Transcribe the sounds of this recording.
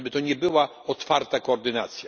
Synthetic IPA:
bɘt̪ɔɲɛbɘwa | ɔt̪faɾt̪akɔɔɾd̪ɘnat̪sʲja

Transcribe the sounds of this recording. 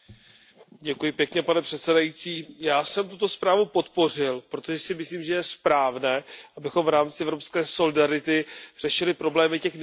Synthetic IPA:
ɟɛkujɪpjɛkɲɛpanɛpr̥ɛt̪sɛdajit͡siːjaːsɛmt̪ut̪o̞spɾaːvupo̞t̪po̞r̝ɪlpɾot̪o̞ʒɛsɪmɪsliːmʒɛjɛspɾaːvnɛːʔabɪxo̞mvɾaːmt͡sɪʔɛvɾo̞pskɛːso̞lɪdaɾɪt̪ɪr̥ɛʃɪlɪpɾo̞blɛːmɪcɛx

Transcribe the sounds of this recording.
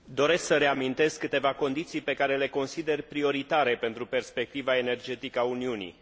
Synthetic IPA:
d̪o̞ɾesksəɾe̞amint̪e̞skːɨt̪e̞vako̞nd̪it̪sijpe̞kaɾe̞le̞ko̞nsid̪e̞rpɾio̞ɾit̪aɾe̞pe̞nt̪ɾupe̞rspe̞k̚t̪ivae̞ne̞rd͡ʒe̞t̪ikəauniunḭ

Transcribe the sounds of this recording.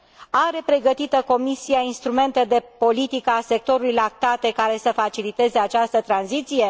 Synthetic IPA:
aɾe̞pɾe̞ɡət̪it̪əko̞misiainst̪ɾume̞nt̪e̞d̪e̞po̞lit̪ikəase̞k̚t̪o̞ɾulujlak̚t̪at̪e̞kaɾe̞səfat͡ʃilit̪e̞ze̞at͡ʃast̪ət̪ɾanzit̪sije̞

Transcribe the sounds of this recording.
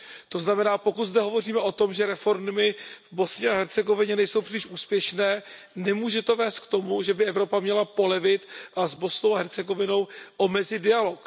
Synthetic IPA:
t̪o̞znamɛnaːpo̞kut̪zdɛɦo̞vo̞riːmɛʔo̞t̪o̞mʒɛɾɛfo̞ɾmmɪvbo̞sɲɛaɦɛɾt͡sɛɡo̞vɪɲɛnɛjso̞wpr̥ɪlɪʃuːspjɛʃnɛː | nɛmuːʒɛt̪o̞vɛːst̪̚kt̪o̞muʒɛbɪʔɛvɾo̞pamɲɛlapo̞lɛvɪt̪azbo̞snowaɦɛɾt͡sɛɡo̞vɪno̞wʔo̞mɛzɪdɪalo̞k

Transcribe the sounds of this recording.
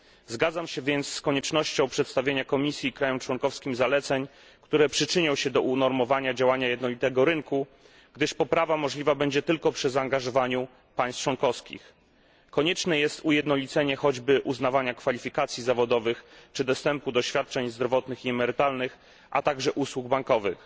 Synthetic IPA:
zɡad̪zamɕɛvʲjɛnt̪sːkɔɲɛt͡ʂnɔɕt͡ɕɔ̃w̃pʂɛt̪st̪avʲjeɲakɔmʲisʲjikɾajɔmt͡ʂwɔŋkɔfskʲimzalɛt̪sɛɲ | kt̪uɾɛpʂɘt͡ʂɘɲɔ̃w̃ɕɛd̪ɔunɔɾmɔvaɲad͡ʑawaɲajɛd̪nɔlʲit̪ɛɡɔɾɘŋku | ɡd̪ɘʂpɔpɾavamɔʐlʲivabɛɲd͡ʑɛt̪ɘlkɔpʂɘzaːŋɡaʐɔvaɲu | paj̃st̪̚t͡ʂwɔnkɔfskʲḭx | kɔɲɛt͡ʂnɛjɛst̪ujɛd̪nɔlʲit̪sɛɲɛxɔd͡ʑbɘʔuznavaɲakfalʲifʲikat̪sʲjizavɔd̪ɔvɘxt͡ʂɘd̪ɔst̪ɛmpud̪ɔɕfʲjat̪̚t͡ʂɛɲzd̪ɾɔvɔt̪nɘxiɛmɛɾɘt̪alnɘx | ʔa̰t̪aɡʐɛʔuswuɡ̚baŋkɔvɘx

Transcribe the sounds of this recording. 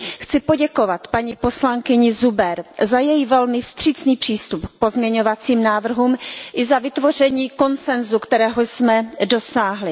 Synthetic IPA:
xt͡sɪpo̞ɟɛko̞vat̪paɲiːpo̞slaŋkɪɲɪzubɛɾzajɛjivɛlmɪfst̪r̝̥ɪt͡sniːpr̝̥iːst̪upk̚po̞zmɲɛɲo̞vat͡siːmnaːvr̩ɦuːmʔɪzavɪt̪vo̞r̝ɛɲiːko̞nt͡sɛnzukt̪ɛɾɛːɦosmɛdo̞saːɦlɪ

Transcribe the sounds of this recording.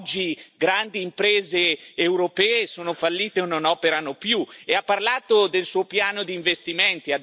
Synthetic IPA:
d͡ʒːiɡɾand̪iːmpɾeːzeːwɾopɛːesoːnofalːiːt̪eononɔːpeɾanopjueapːarlaːt̪od̪elsuːopjaːnod̪iːɱvest̪iment̪iad̪

